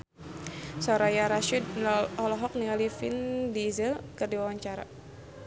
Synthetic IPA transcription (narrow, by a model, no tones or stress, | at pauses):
sɔɾajaɾaʃid̚ɔlɔɦɔk̚niŋalifindizəlkərdiwawaɲt͡ʃaɾa̰